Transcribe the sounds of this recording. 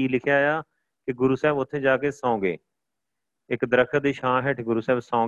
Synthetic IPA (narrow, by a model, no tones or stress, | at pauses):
iːlɪkʰjaːjaː | kɪɡʊɾuːsɛːbʊt̪ʰːẽːd͡ʒaːkeːsãːɡḛː | ɪkd̪əɾəkʰːəd̪iːʃãːɦɛʈʰɡʊɾuːsɛːbsãː